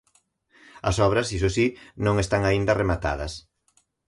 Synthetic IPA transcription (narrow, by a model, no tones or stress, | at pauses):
ɐ̰sɔβɾɐsisosinõŋest̪aŋaind̪ɐremat̪a̰ðɐs